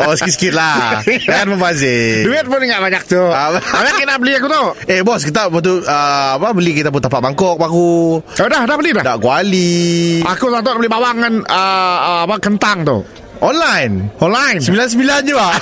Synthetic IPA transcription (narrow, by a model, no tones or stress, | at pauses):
osə̥kisə̥kɪt̪̚laakanməbazɪduɪt̪̚pʊnŋɡaʔbaɲak̚t̪uabaɲakinaʔbəliakut̪uebɔskit̪abɔt̪̬uəapabəlikit̪ap̬ʊnt̪apaʔbaŋkɔk̚bakuodahdabəlidadaʔkualiʔakusant̪ɔbəlibawaŋkanəapakənt̪aŋt̪ʊ̰h | ɔnlajnɔnlajnsəbilans̬əbiland͡ʒua